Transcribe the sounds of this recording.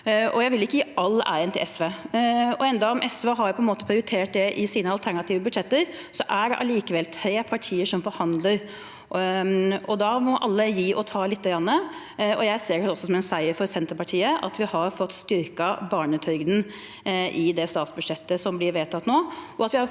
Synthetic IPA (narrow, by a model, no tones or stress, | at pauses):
ɔjæɪʋɪlɪkːəjiːʔɑlːæ̰ɪənt̪ɪlɛsʋeːɔɛnd̪ɑɔmʔɛsʋɑɦɑɾpʰɔɛnmoːt̪əpʰɾɪʊɾɪt̪ʰeːʈ̚d̪ɛʔɪsiːnəɑlt̪ʰæɾɳɑt̪ʰiːʋəbʉd̪ʂɛt̪ːəɾsɔʔæɖɛ̰ʔɑ̰liːkəʋɛlt̪hœʏpʰɑʈʰiːəʂɔmfɔɾhɑnd̪ləɾ | ɔd̪ɑmɔʔɑ̰lːəjiːʔɔt̪ʰɑːlɪt̪ːəɡɾɑnːə | ɔjæɪseːɾhɛɔsːɔsɔmɛnsæɪəɾfɔɾsɛnt̪əɾpɑʈʰiːəʔɑ̰t̪ʋɪhɑɾfɔt̪ːst̪ʏɾkɑbɑːɳət̪ʰœʏɡd̪n̩ | ʔɪd̪ɛst̪ɑːt̪sbʉd̪ʂɛt̪ːəsɔmblɪɾʋeːt̪ʰɑt̪ːnoːʔɔɑt̪ʋɪhɑɾ